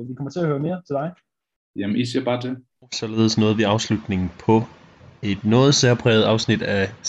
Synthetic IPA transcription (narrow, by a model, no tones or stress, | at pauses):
ʋikʰɒ̽mɐt͡sʰe̝ɐhøːɐme̝ːɐt͡sʰe̝ld̥ɑ̈ɪ | jæm̩isiɐ̰b̥ɑ̈ːd̥e | ɒsɒ̽le̝ːð̞ˠəsnɔ̽ːð̞̩ˠʋiɑ̈ʊslud̥ne̝ŋn̩pʰɒ̽ | e̝d̥nɔ̽ːð̩ˠseɐpʰʁɛ̰ːð̞̩ˠɑ̈ʊsnid̥æ